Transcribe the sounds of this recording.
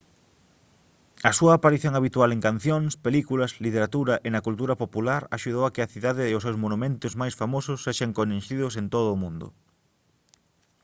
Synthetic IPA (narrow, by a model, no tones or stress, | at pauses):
ɐsuɐːpaɾiθjoŋaβit̪ualeŋkan̟θjoŋspelikulɐslit̪eɾat̪uɾɐʔenɐkult̪uɾɐpopulaɾaʃuðowakɪɐθiðaðɪːʊs̬ewsmonumẽnt̪ʊzmajsfamosʊsːeʃaŋkonẽnʃiðʊsent̪oð̞ʊːmũnd̪ʊ̰